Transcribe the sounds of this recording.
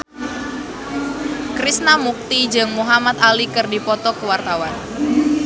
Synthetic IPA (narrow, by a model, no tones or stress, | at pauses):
kɾisnamuk̚t̪id͡ʒɨŋmuɦamat̪alikɨrdipɔt̪ɔkəwart̪awan